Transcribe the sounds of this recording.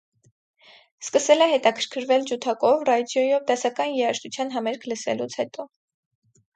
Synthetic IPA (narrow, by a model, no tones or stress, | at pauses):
skəsɛlɛɦɛt̪ɑkʰəɾkʰəɾvɛld͡ʒut̪ʰɑkɔvrɑd̪jɔjɔvd̪ɛsɑkɑnjɛɑʃt̪ut͡sʰjɑnɦɑmɛɾkʰləsɛ̰lut͡sʰhɛt̪ɔ